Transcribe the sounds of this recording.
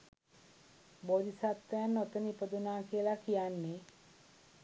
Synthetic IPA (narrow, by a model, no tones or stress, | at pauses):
boːd̪isat̪ːejanːot̪ənipəd̪unaːkiəlakijanːe